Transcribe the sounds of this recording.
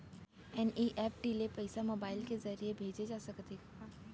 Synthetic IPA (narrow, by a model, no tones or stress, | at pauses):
ɛnʔiʔɛːp̚ʈilepɛɪsamoːbaːɪlkezɐɾijebʱeːd͡ʒed͡ʒaːsɐkd̪eː